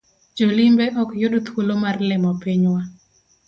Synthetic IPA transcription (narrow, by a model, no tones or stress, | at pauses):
d͡ʒolimbeʔɔkjʊdt̪ʰwulomarlɪmɔpiɲwa